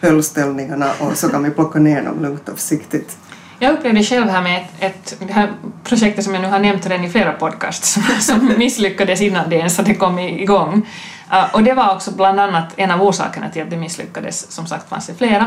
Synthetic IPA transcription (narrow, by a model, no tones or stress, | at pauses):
fœlst̪ɛlnɪŋaɳaʔɔsɔkʰanʋɪpʰlɔkːaneːɳɔ̰mlɵŋt̪ɑ̰ːvsɪkt̪ɪt̪ | jɑːɡɵpːleːvd̪əɕɛlʋɦæːɾmɛɛt̪d̪ɛɦæːɾpʰɾʊɕɛk̚t̪ət̪sɔmjanʉːhaɳɛmt̪hɾɛnɪfleːɾapʰɔd̪̚kʰɑ̰ːst̪ʂsɔmːɪsːlʏkːad̪əsɪnːand̪ɛɛnsat̪d̪ɛkɔmːɪɪɡɔŋː | ʔɔd̪ɛvaɾɔksɔbland̪anːat̪ʰɛnɑːvoːʂɑ̰ːkəɳʔa̰t̪ʰɪlat̪̚d̪ɛmɪsːlʏ̰kːad̪ə̰sːɔmsa̰kt̪fa̰nsd̪ɛfleːɾa